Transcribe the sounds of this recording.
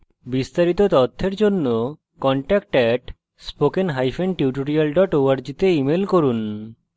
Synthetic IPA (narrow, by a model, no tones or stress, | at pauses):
bist̪aɾit̪ot̪ɔt̪ʰːeɾd͡ʑonːo | kɔɳʈak̚ʈɛʈ | spokenɦajfʰenʈiʈoɾialɖɔʈowaɾd͡ʑit̪eimelkoɾun